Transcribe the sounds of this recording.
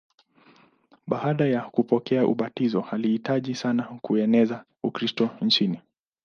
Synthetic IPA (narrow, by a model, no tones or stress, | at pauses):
ɓaaɗajakupɔkɛaʔṵɓatizɔhalihitaʄisanakuɛnɛza | ukɾistɔn̩t͡ʃini